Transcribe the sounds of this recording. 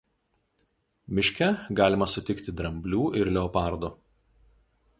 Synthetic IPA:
mʲɪʃʲkʲɛɡɑːlʲɪmɐsʊt̪ʲɪkt̪ʲɪd̪ɾɐmʲbʲlʲuːʔɪɾlʲɛɔpɑˑɾd̪o

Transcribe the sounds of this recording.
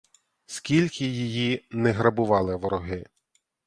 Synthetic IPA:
skʲilʲkʰɪjijinɛɦɾɐbʊʋɑlˠɪʋɔɾɔɦɪ

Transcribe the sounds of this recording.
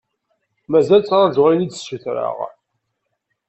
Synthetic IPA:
mæzælt͡sːɾˤɑʒoʁɾinid̪suθɾə̰ʁ

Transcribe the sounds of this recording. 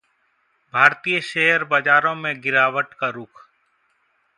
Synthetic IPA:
bʱaːɾt̪iːjəʃeɦəɾbəd͡ʒaːɾõːmẽɡɪɾaːʋəʈkaɾʊkʰ

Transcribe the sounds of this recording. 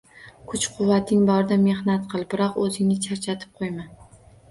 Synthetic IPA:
kʰʊt͡ʃqʰʊwːat̪ʰɪŋbɒɾɪd̪ame̞hnat̪qʰɨlˠbɪɾɒqɵzɪŋnɪt͡ʃʰaɾt͡ʃʰat̪ʰɪ̥p̚qʰojman

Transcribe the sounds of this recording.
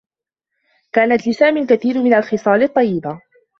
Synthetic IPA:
kaːnat̪lɪsaːmiːlkaθiːɾmɪnalxɨsˤɑːlɨt̪ˤːɑjːɪba

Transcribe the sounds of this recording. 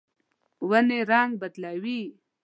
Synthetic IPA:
waneɾaŋɡ̚bad̪lawi

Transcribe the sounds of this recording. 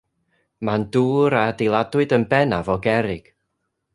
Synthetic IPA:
manduːɾadelˠadwɨdənbɛnavɔɡɛɾɪɡ̥

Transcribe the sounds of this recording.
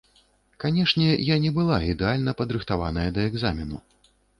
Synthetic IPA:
kanʲɛʂnʲɛjanʲɛbɨlˠaid̪ɛalʲnɐpɐd̪ɾɨxt̪avanɐjɐd̪ɐɛɡzamʲinu

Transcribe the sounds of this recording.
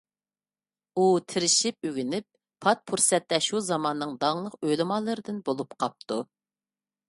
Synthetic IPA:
ut̪ʰɪɾɪʃip̚øɡʲynɪp̚ːʰ | ɑt̪̚pʰuɾsɛt̪ːɛʃuzɑmɑnːɨŋd̪ɑŋlˠəqølɨmɑlˠɨɾɨd̪ɨnbolˠupqʰɑp̚t̪ʰu

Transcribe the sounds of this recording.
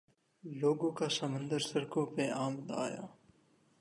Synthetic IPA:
loːɡõːkaːsəmə̃nd̪əɾsəɾkõːpeaːmd̪a̰ːja̰ː

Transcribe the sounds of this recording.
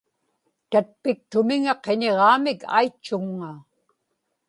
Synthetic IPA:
t̪at̪̚pɪk̚t̪ʊmɪŋɑqeɲeʁɑːmɪkʰa̰jt͡ʃːʊŋːa

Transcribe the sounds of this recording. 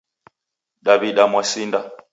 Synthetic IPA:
ɗaβiɗamwasinda

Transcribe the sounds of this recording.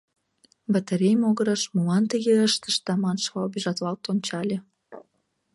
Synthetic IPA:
bat̪ə̆ɾʲejmoɣə̆ɾə̆ʃmuɑnt̪əɣeəʃt̪ə̆ʃt̪ɑmɑnʃvɑbiʒɑt̪lɑlt̪ont͡ɕɑlʲe

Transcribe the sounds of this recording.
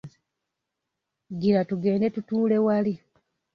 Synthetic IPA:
ɡiɾatuɡe̞ːnde̞tutuːle̞wali

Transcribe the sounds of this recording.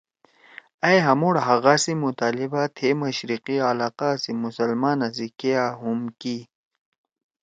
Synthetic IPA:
ɐjɦɐmoɽɦɐɣasimut̪aːlibat̪ʰemɐɕɾiqialaːqasimusɐlmaːnɐzikeaɦumki

